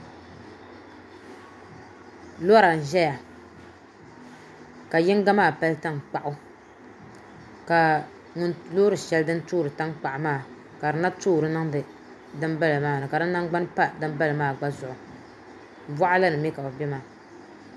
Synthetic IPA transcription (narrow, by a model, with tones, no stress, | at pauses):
lo˦ɾa˨n̩˨ʒɛ˦ja˨ | ka˨jɪ˦ŋ˦ɡa˦maː˦˨pa˦lɨ˦ta˦ŋ˨k͡pa˨ʔʊ˦ | ka˨ | ŋʊ˦nloː˦ɾɨ˨ʃɛ˦ldɨ˦n˦tuː˦˨ɾɨ˨ta˦ŋk͡pa˨ʔʊ˨maː˦˨ | ka˨dɨ˨na˦tuː˦˨ɾɨ˨˦na˦ŋdɨ˨ | dɨ˦m˦ba˦lɨ˨maː˦˨nɨ˨ka˨dɨ˦nːa˦ŋɡ͡ba˦n˦pa˦dɨ˦m˦ba˦lɨ˨maː˦˨ɡ͡ba˦zʊ˨ʔʊ˨ | va˦ʔa˦la˦nɨ˨mɛ˦ka˨o˨bɛ˦maː˦˨